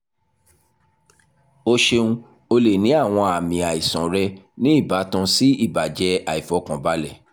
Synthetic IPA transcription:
o˧ʃe˧ũ˦ | o˧le˨nĩ˨˦a˦˨w̃ɔ̃˧a˨mĩ˨a˨i˨sɔ̃˨ɾɛ˧nĩ˦i˦˨ba˨˦tã˧si˦i˦˨ba˨d͡ʒɛ˧˦a˨i˨fɔ˨˦kã˨ba˨˦lɛ˦˨

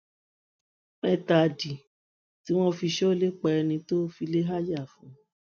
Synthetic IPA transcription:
mɛ˧ta˨di˨ | ti˨˦w̃ɔ̃˦fi˧ʃɔ˦le˦k͡pɛ˧ɛ˧nĩ˧to˦fi˧le˦ɦa˦ja˦˨fũ˨˦

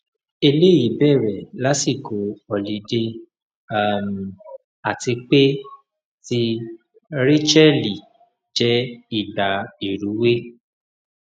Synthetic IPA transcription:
e˧le˦˨i˨˦bɛ˦˨ɾɛ˨la˨˦si˦˨ko˨˦ɔ˨li˨˦de˧ | a˦m˨ | a˦˨ti˧k͡pe˦ | ti˧˦ | ɾe˦t͡ʃɛ˦li˨ | d͡ʒɛ˦i˦˨da˨i˨ɾu˨˦we˦

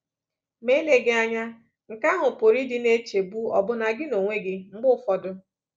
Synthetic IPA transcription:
me˦le˨ɡɪ˦a˦ɲa˦ | ŋ̩˨ka˦ɦʊ˨po˨ɾi˦dɪ˦ne˦t͡ʃe˨bu˦ɔ̰˨bʊ˦na˨ɡɪ˦no˨ŋʷe˦ɡɪ˦ŋ͡m̩˦ɡ͡bʊ˦fɔ˨dʊ˦

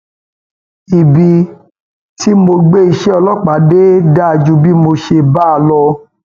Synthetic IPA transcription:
i˨bi˨ | ti˦mo˧ɡ͡be˦i˧ʃɛ˦ɔ˧lɔ˦˨k͡pa˨˦de˦da˦a˧d͡ʒu˧˦bi˦mo˧ʃe˧ba˦a˧˨lɔ˧

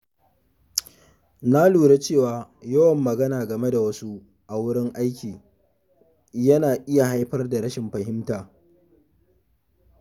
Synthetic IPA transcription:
na˦luː˨ɾe˦t͡ʃeː˦˨waː˨jɐ˦wɐ˨mːɐ˨ɡɐ˦naː˨ɡɐ˨me˦da˨wɐ˦su˦ | ʔa˨wʊ˦ɽɪ˦ŋʔa˦jkʲiː˨ | jɐ˦naː˨ʔɪ˦ja˨ɦa˦jɸɐ˦rda˨ɾɐ˦ʃɪ˨mɸɐ˨ɦɪ˦mtaː˨

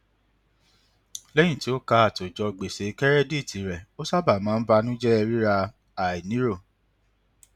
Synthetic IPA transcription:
lɛ˦j̃ĩ˦˨ti˦o˦ka˧˦a˨to˨d͡ʒɔ˧ɡ͡be˨se˨˦kɛ˦ɾɛ˦di˦˨tʰi˨˦ɾɛ˨o˦sa˦ba˨mã˨˦n̩˦ba˧nũ˦d͡ʒɛ˦ɛ˧ɾi˦ɾa˧ | a˨i˨nĩ˨˦ɾo˦˨

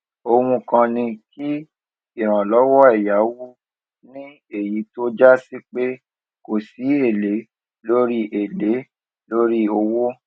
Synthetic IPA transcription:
o˧wũ˧kã˧nĩ˧ki˦ | i˦˨ɾ̃ã˨lɔ˦wɔ˦ɛ˦˨ja˨˦wo˦ | nĩ˦ | e˦˨ji˨˦to˦d͡ʒa˦si˦k͡pe˦ | ko˨si˨˦e˦˨le˨˦ | lo˦ɾi˦ʔe˨le˨˦ | lo˦ɾi˦o˧wo˦

